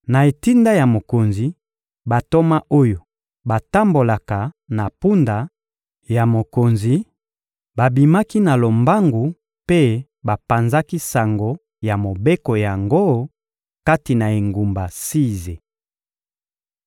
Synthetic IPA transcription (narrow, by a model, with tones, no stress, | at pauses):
na˨e˨ti˦nda˦ja˨mo˨ko˨nzi˨ | ba˨to˦ma˦ʔo˦jo˨ | ba˨ta˦mbo˨la˨ka˨ | na˨pu˦nda˨ | ja˨mo˨ko˨nzi˨ | ba˨bi˨ma˦ki˦na˨lo˨mba˦ŋɡu˨ | pe˦ | ba˨pa˨nza˦ki˦sa˨ŋɡo˨ | ja˨mo˨be˦ko˨ja˨ŋɡo˦ | ka˦ti˨na˨e˨ŋɡu˨mba˨si˦ze˨